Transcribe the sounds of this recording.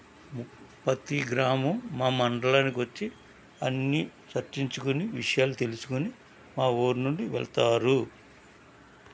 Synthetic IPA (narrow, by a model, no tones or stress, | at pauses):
pɐt̪iɡɾaːmɐmːaːmɐɳɖɐɭanikiʋɐt͡ʃːi | ɐnːit͡ʃɐɾt͡ʃiɲt͡ʃukuniʋiʂɐjaːlut̪e̞lusu̥kuni | maːoːɾunuɳɖiʋɛ̰ɭɐt̪aːɾu